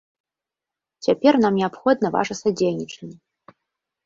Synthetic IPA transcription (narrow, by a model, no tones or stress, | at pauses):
tʰʲapʲernamnʲiapxɔd̪̚nɐva̰ʐɐsadʲejnʲiʈ͡ʂʰenʲ